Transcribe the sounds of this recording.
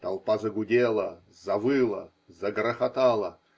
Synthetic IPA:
t̪ɐlˠpazəɡʊdʲelˠə | zɐvɨlˠə | zɐɡɾəxat̪alˠə

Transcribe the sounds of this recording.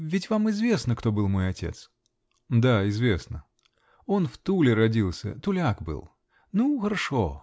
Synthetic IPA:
vʲɪtʲvamɪzvʲe̞snəkt̪o̞bɨlˠmo̞jɐtʲe̞̰t̪s | d̪aɪzvʲe̞snə | o̞nft̪ulʲɪɾɐdʲilˠsʲə̰t̪ʊlʲakbɨ̰lˠ | nuxəɾɐʂo̞̰

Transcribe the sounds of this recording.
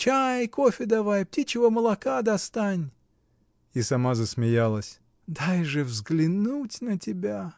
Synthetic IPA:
t͡ʃajkofʲɪd̪ɐvajp̚tʲit͡ɕɪvəməlˠɐkad̪ɐst̪anʲ | isɐmazəsmʲɪjalˠəsʲ | d̪ajʐɨvzɡlʲɪnutʲnətʲɪbʲa

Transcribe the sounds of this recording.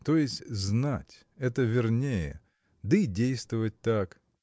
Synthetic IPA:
t̪ojɪsʲtʲznatʲ | ɛt̪əvʲɪrnʲejɪ̰ | d̪əidʲejst̪vəvət̚ʲt̪ak

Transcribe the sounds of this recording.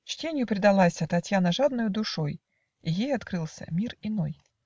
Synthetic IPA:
t͡ɕtʲenʲɪjʊpɾʲɪd̪ɐlˠasʲət̪ɐtʲjanəʐad̪̚nʊjʊd̪ʊʂoj | ijejɐt̪kɾɨlˠsʲə̰mʲirɪnoj

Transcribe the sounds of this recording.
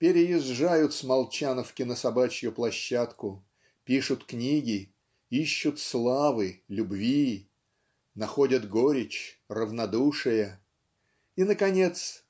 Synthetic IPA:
pʲɪɾʲɪjɪzʐajʊt̪smɐlˠt͡ɕanəfkʲɪnəsɐbat͡ɕɪjʊplˠɐɕːat̪kʊ | pʲiʂʊt̪knʲiɡʲɪ | iɕːʊt̪slˠavɨlʲʊbvʲi | nɐxo̞dʲət̪ɡoɾʲɪt͡ɕrəvnɐd̪uʂɨjə | inəkɐnʲe̞t̪s

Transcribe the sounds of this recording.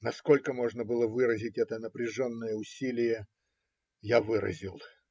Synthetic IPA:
nɐsko̞lʲkəmo̞ʐnəbɨlˠəvɨɾəzʲɪtʲɛt̪ənəpɾʲɪʐonːəjəʊsʲilʲɪjə | javɨɾə̰zʲɪlˠ

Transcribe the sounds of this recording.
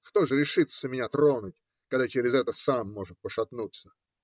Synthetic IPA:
kt̪oʐɨɾʲɪʂɨt̪səmʲɪnʲat̪ɾonʊtʲ | kɐɡd̪at͡ɕeɾʲɪzɛt̪əsamːoʐɨt̪̚pəʂɐt̪nut̪sə̥

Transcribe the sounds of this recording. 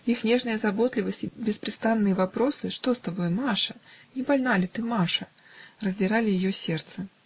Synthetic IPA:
ixnʲɛʐnɨjɐzabɔt̪lʲɪvɐsʲtʲibʲɪspɾʲɨst̪anːɨjɐvapɾɔsɨʂt̪ɔst̪abɔjɛmaʂɐnʲɛbalʲnalʲɪt̪ɨmaʂɐ | rɐzʲdʲɪɾalʲɪjɪjɔsʲɛrt̪sɨ

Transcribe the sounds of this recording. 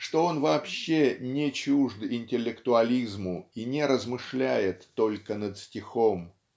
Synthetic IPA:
ʂt̪o̞o̞nvɐːpɕːenʲɪt͡ɕuʐd̪ɪnʲtʲɪlʲːɪkt̪ʊɐlʲizmʊinʲɪɾəzmɨʂlʲæjɪt̪ːolʲkənət̪sʲtʲɪxo̞m

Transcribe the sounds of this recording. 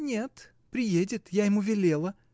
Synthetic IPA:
nʲe̞t̪ | pɾʲɪjedʲɪt̪jajɪmuvʲɪlʲe̞lˠə

